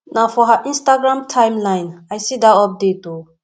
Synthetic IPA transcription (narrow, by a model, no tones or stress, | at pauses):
nafɔɦaʔĩnstaɡɾãmtʰãjmlãjnajsid̪aɔp̚detu